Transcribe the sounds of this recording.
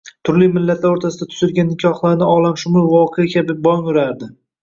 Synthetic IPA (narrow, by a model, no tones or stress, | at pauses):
t̪ʰʊɾlɪmɪlːat̪ʰlaɾoɾt̪ʰasɪd̪at̪ʰʊ̥zɪlɡʲanːɪkʲʰɒhlˠaɾnɪɒlˠamʃʊmʊlˠvɒqʰejakʲʰabɪbɒŋʊɾaɾd̪ɪ